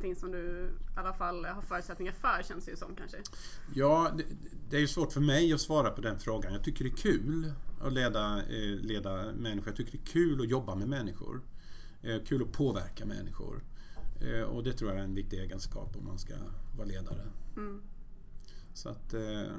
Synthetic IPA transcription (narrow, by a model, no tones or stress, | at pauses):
t̪ɪŋsɔmd̪ɵalːafalːhaɾfœːɾʉt̪sɛt̪nɪŋaɾfœːɾɕɛnsd̪ɛjəsɔ̰mkʰa̰nʂəjɑːd̪ɛd̪ɛæɾjɵsvoːʈfœɾmɛjɔsvɑːɾapʰɔd̪ɛnfɾoːɡanjɑːɡ̚t̪ʏkːəɖɛækʰʉ̟ːlaleːd̪aleːd̪amɛnːɪxɧʊɾjat̪ʰʏkːəɖɛkʰʉ̟ːlɔjɔbːamɛmɛnːɪɧʊ̰ɾ | kʰʉ̟ːlɔpʰoːvæɾkamɛ̰nːɪɧʊ̰ɾ | ɔ̰d̪ɛt̪ʰɾuːjaɾɛnvɪk̚t̪ɪɡeːɡənskɑ̰ːpɔmːa̰nska̰vɑːɾaleːd̪a̰ɾə | sɔa̰t̪